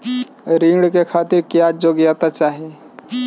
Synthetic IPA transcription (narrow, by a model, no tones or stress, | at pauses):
ɾĩŋɽkekʰaːt̪ɪɾkjad͡ʒoɡjat̪at͡ʃaːɦie